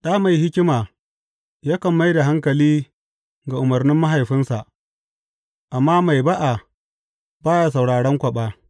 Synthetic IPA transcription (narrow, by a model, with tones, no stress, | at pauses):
ɗaː˦ma˨jhɪ˦kʲɪ˦maː˨ | jaː˦kɐ˨mːa˦jda˨ɦa˦ŋkɐ˨liː˦ | ɡa˨ʔʊ˨mɐ˨rnɪ˦mːa˦ɦa˨jɸɪ˦nsa˨ʔ | ʔa˨mːaː˦ma˨jba˦ʔa˨ | baː˦ja˨s̬a˨wɽaː˨ɽɐ˦ŋkʷɐ˨ɓa˦ʔ